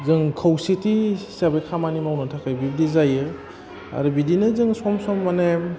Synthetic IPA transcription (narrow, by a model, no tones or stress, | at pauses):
zɯŋkʰawsitisabekʰamanimawnɯtʰakajbibdizajɯ | a̰ɾɯbidinɯzɯŋsɔmsɔmːanem